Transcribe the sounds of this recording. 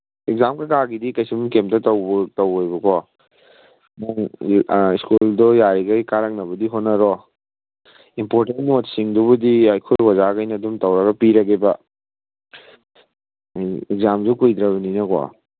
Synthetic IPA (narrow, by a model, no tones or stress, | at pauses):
eɡ̚zamkakaɡidikɐjsumkemtɐtɐwbtɐwojbɐkɔ | naŋ | iskuldɔjaɾiɡɐjkaɾɐk̚nɐbɐdiɦotnɐɾɔ | impoɾtentnot̚siŋdubudiajkʰuɾwazaɡɐjnɐdumtɐwɾɐɡɐpiɾɐɡebɐ | jekzamzukujd̪ɾɐβɐninɐkɔ̰